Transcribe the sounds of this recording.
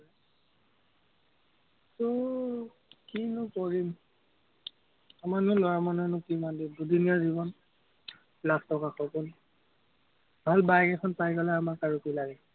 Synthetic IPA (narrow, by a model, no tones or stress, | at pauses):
sɔ | kinʊkɔɹim | amanʊlɔwamanɔnʊkimandidudinazibɔn | lakʰtɔkaxɔkɔl | bʱalbajkɛkʰɔnpajkɔlaamaɹkaɹukilaɡɛ